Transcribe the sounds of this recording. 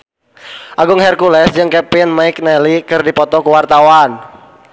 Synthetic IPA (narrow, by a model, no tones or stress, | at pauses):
ʔaɡʊŋhɛrkulɛsd͡ʒɨŋkɛpɪnmaɪk̚nɛlikɨrdipɔt̪ɔkuwart̪awan